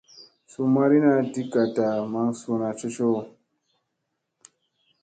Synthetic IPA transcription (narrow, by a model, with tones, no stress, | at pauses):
su˨ma˦ɾi˦na˦di˦ka˨ta˨ma˦ŋsu˦na˨t͡ʃo˦t͡ʃo˦˨